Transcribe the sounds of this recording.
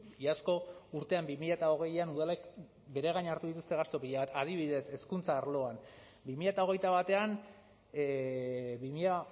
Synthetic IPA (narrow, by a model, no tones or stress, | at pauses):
asko̞uɾt̪e̞ambimiʎat̪ao̞ɣ̞e̞januðalek | be̞ɾe̞ɣ̞ajɲaɾt̪uðit̪ust̪e̞ɣast̪o̞piʎaβat̪að̞iβ̞iðe̞se̞skunt͡saːɾlo̞an | bimiʎat̪ao̞ɣe̞jt̪aβat̪e̞an | βimiʎa